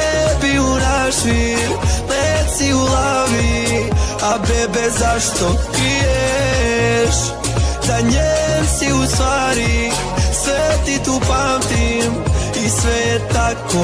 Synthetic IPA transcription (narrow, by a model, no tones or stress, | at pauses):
biunaʃilɛsiulˠavi | abɛbezaʃt̪okiee | ʃ | d̪aɲemsiusvaɾi | svɛt̪it̪upamt̪im | isvɛt̪ako